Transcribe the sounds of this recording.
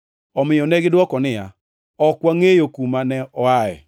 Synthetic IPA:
ɔmɪjɔnɛɡɪdwɔkɔnɪja | ɔkwaŋejokumanɛɔaɛ̰

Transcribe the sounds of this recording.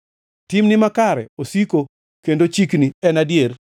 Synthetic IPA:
timnɪmakaɾɛ̰osiko | kendot͡ʃikniɛnadjer

